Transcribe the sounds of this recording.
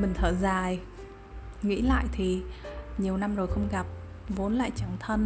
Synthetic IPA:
mï˨˩ŋ̟t̪ʰəː˧˩zaː˨˩j | ŋḭ˧˥la̰ː˧˨jt̪ʰi˨˩ɲi˨˩əwna˧mzo˨˩jxə˧wŋ͡mɣa˨˩p̚ | vo˨˦nla̰ː˧˨jt͡ɕa˧˩ŋt̪ʰə˧n

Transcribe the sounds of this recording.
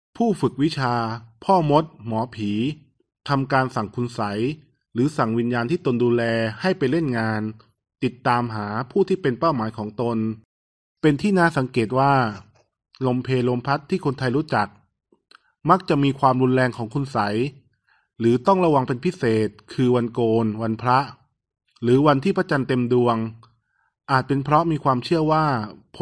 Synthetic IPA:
pʰuː˥˩fɯ˨˩k̚wi˦˥t͡ɕʰaː˧pʰɔː˥˩mo˦˥t̪̚mɔː˩˦pʰiː˩˦ | t̪ʰa˧mkaː˧nsa˨˩ŋkʰu˧nsa˩˦j | ɾɯː˩˦sa˨˩ŋwi˧njaː˧nt̪ʰiː˥˩t̪o˧nduː˧lɛː˧ha˥˩jpa˧jle˥˩nŋaː˧n | t̪i˨˩t̪ːaː˧mɦaː˩˦pʰuː˥˩t̪ʰiː˥˩pe˧npa˥˩wmaː˩˦jkʰɔː˩˦ŋt̪o˧n | pe˧nt̪ʰiː˥˩˨naː˥˩˨sa˩˦ŋkeː˨˩t̪̚waː˥˩ | lo˧mpʰeː˧lo˧mpʰa˦˥t̪ʰːiː˥˩kʰu˧nt̪ʰa˧jɾuː˦˥t͡ɕa˨˩k̚ | ma˦˥k̚t͡ɕa˨˩ʔmiː˧kʰwaː˧mɾu˧nlɛː˧ŋkʰɔː˩˦ŋkʰu˧nsa˩˦j | ɾɯː˩˦t̪ɔ˥˩ŋɾa˧wa˧ŋpe˧npʰi˦˥seː˨˩t̪̚kʰɯː˧wa˧nkoː˧nwa˧npʰɾa˦˥ʔ | ɾɯː˩˦wa˧nt̪ʰiː˥˩pʰɾa˦˥t͡ɕa˧nt̪e˧mdu˧əŋ | ʔaː˨˩t̪̚pe˧npʰɾɔ˦˥miː˧kʰwaː˧mt͡ɕʰɯ˥˩əwaː˥˩pʰ

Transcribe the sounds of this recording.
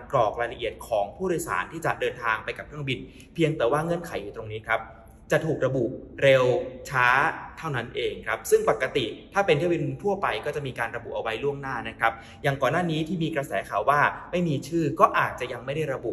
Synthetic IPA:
kɔː˨˩k̚ɾaː˧jla˧ʔi˨˩ət̪̚kʰɔː˩˦ŋpʰu˥˩ɾɔː˧˩˧jsa̰ː˩˦nt̪ʰiː˥˩t͡ɕa˨˩dɤː˧nt̪ʰaː˧ŋpa˧jka˨˩p̚kʰɾɯ˥˩əŋbi˧n | pʰi˧əŋt̪ɛː˨˩˦waː˥˩ŋɤ˥˩ənkʰa˨˩˦jːuː˨˩t̪ɾo˧ŋniː˦˥kʰɾa˦˥p̚ | t͡ɕa˨˩t̪ʰuː˨˩k̚ɾa˧bu˨˩ɾe˧wt͡ɕʰaː˦˥t̪ʰa˥˩wna˦˥nʔeː˧ŋkʰɾa˦˥p̚sɯ˥˩ŋpa˨˩kːa˧t̪i˨˩t̪ʰaː˥˩pe˧nt̪ʰi˥˩˨bi˧nt̪ʰu˥˩ɐpa˧jkɔː˥˩t͡ɕa˨˩ʔmiː˧kaː˧nɾa˧bṵ˨˩ʔa˧wa˧˦jlu˥˩əŋnaː˥˩na˦˥kʰɾa˦˥p̚ | jaː˨˩ŋkɔː˨˩nːaː˥˩niː˦˥t̪ʰiː˥˩miː˧kɾa˧sɛ̰ː˩˦kʰaː˨˩waː˥˩ma˥˩jmiː˧t͡ɕʰɯː˥˩kɔː˥˩ʔaː˨˩t̪̚t͡ɕa˨˩ja˧ŋma˥˩jda˥˩jɾa˧bu˨˩ʔ

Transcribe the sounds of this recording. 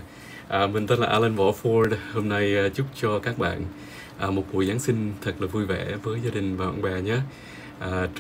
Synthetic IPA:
ʔəː˨˩mï˨˩ŋ̟t̪a˧˦nlaː˨˩ʔaː˧lə˧nvɔ˧˩fɔ˧ɗho˧mna˧jːt͡ɕu˦˥k͡p̚t͡ɕɔ˧kaː˦˥k̚ɓa̰ː˧˨n | ʔəː˨˩mo˨˩t̚ɓu˨˩jzaː˨˦nsï˧ŋ̟t̪ʰə˨˩k̚laː˨˩vu˧jvɛ̰˧˩vəː˨˦jzaː˧ɗï˨˩ŋ̟vaː˨˩hwa̰ː˧˨ɓaː˨˩ɲaː˨˦ | ʔəː˨˩

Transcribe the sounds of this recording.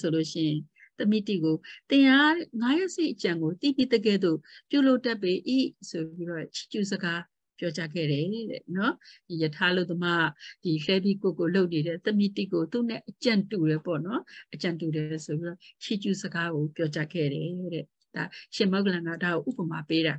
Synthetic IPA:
so˨lo˦˨ʃɪ̰˦˨ɪ̃˨ | t̪əmi˦˨tḭ˦˨ɡo˨t̪ɪ̃˨ʔa˦ŋa˨˦jɛ˦ʔse˦ɪʔət͡ɕã˨ŋɡo˨t̪ḭ˦˨pi˦d̪ə˨ɡɛ˦˨d̪o̰˦˨pju˦˨lo˦ʊʔtɛ˦˨pːe˦ʔḭ˦˨so˨bi˦ɾɔ˦t͡ɕʰi̥˦˨t͡ɕṵ˦˨zəɡa˦ | pjɔ˦t͡ɕa˦ɡɛ̰˦˨ɾɛ˨ɾɛ̰˨nɔ˦d̥i˨jətʰa˦ʔəlo˦ʊt̪ːə˦ma̰˦˨d̥i˨lɛ˦bi˦˨kʊ˦˨kːo˨lo˦ʊʔne˨ɾɛ˦˨t̪əmi˦˨tḭ˦˨ɡo˨t̪ṵ˦˨nɛ˦˨ʔət͡ɕã˨ntu˨ɾɛ˨pɔ̰˦˨nɔ˦ʔət͡ɕã˨ntu˨ɾɛ˨so˨pi˦ɾɔ˦t͡ɕʰi˦˨t͡ɕṵ˦˨zəɡa˦ɣo˨pjɔ˦t͡ɕa̰˦ɡɛ̰˦˨ɾɛ˨ɾɛ˦˨ | d̥a˨ʃɪ̃˨ma˦ʊklã˨ŋa˦˨da˨ɣo˨ʔṵ˦˨bə˨ma˨pe˦ɾa˨

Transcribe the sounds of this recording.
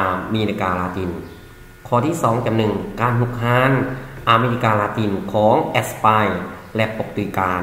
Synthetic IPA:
meː˧li˧kaː˧laː˧t̪iː˧˩n | kʰɔː˧˩t̪ʰiː˧˥˩sɔː˩˦ŋka˨˩mnɯ˨˩ŋkaː˧nɦu˧˩k̚haː˧˥˨nʔaː˧meː˧li˧kaː˧laː˧t̪iː˧nkʰɔː˩˦ŋʔɛ˧˩spaː˧jlɛ˧ʔpo˧˩k̚t̪u˧˨˧kaː˧

